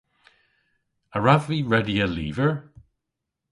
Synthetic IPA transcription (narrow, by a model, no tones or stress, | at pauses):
əɹavviːɹɛdiəlḭːvəɹ